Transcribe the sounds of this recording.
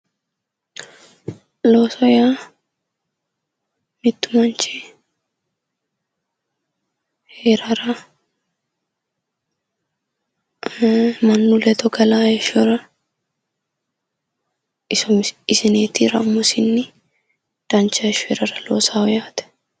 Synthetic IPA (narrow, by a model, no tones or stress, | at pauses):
lo̞ːsɔjaː | mɪt̪ːʊ̥mɐnt͡ʃi | heɾɐɾɐ | mɐnːulɛt̪ɔɡɐlaːjɛʃʊɾɐ | ɪsɔmɪsɪneːt̪iɾɐ̰mːʊsɪnːɪ | d̪̥ɐnt͡ʃːɐɛʃheɾɐɾɐlo̰ːsaːɔjaːt̪ɛ̥